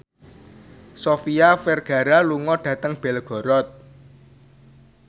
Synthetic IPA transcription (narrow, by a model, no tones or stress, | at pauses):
sofiafɛrɡ̥ä̤ɾaluŋɔɖ̥ä̤t̪əŋb̥ɛlɡ̥ɔ̤ɾɔt̪̚